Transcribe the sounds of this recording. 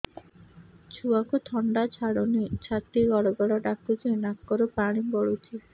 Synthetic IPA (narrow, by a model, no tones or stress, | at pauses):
t͡ʃʰuakut̪ʰɔɳɖat͡ʃʰaɽonit͡ʃʰat̪ːiɡɔɽɔɡɔɽɔɖakutinakːɔɾopaɽ̃ibɔɽut̪ʰi